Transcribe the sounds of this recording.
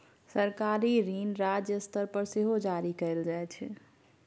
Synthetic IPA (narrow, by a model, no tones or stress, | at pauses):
səɾkaɾiɾinɾad͡ʒjəst̪əɾpəɾseɦod͡ʒaɾikəɪld͡ʒajt͡ʃʰ